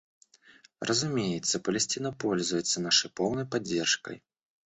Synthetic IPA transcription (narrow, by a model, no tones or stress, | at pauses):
rʔɐzumʲejɛt̪sːɐpɐlʲɛsʲtʲinɐpɔlʲzujɛt̪sːɐnaʂɐjpɔwnɐjpad͡zʲːɛrʂkɐ̰j